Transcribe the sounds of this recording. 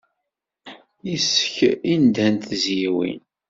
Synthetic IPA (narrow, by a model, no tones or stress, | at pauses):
isə̥çind̪ænt̪zjiwḭn